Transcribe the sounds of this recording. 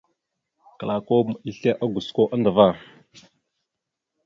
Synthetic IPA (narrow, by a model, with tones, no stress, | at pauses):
ka˨la˨ko˦mi˦ɬe˦ʔa˦ɡu˨sko˦ʔa˦nda˨va˦˨